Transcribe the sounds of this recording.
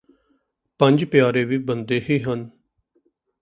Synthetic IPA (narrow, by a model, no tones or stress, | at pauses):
pə̃ɲd͡ʒpɪjaːɾeːʋiːbənd̪eːɦiːɦən